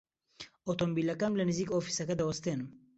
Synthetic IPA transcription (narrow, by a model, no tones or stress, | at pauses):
ot̪ombilakamlanizikofi̥sakad̪awɔst̪en